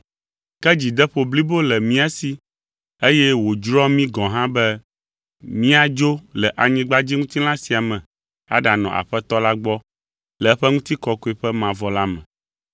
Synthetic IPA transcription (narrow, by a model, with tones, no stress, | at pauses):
kɛ˦d͡ʑi˨d̪ɛ˦ɸo˨bli˦bo˦lɛ˨mĩ˦a˦si˨ | e˦jɛ˦wo˨d͡ʒɾɔ˦mĩ˦ɡɔ̃˨ɦã˦bɛ˦ | mĩ˦a˨d͡ʒo˦lɛ˨ʔa˨ɲĩ˦ɡ͡ba˦d͡ʑi˦ŋũ˦t̪i˦lã˦si˨a˨mɛ̃˨ | a̰˨ɖa˨nɔ̃˨ʔa̰˨ɸɛ˦t̪ɔ˦la˦ɡ͡bɔ˦ | lɛ˨ɛ˦ɸɛ˦ŋũ˦t̪i˦kɔ˦ko˦i˦ɸɛ˦mã˨vɔ˨la˦mɛ̰̃˨